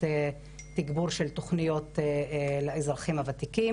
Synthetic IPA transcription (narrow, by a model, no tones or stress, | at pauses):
e | t̪iɡbuɾʃelt̪oχnijo̞t̪eleizɾaχimhavat̪iki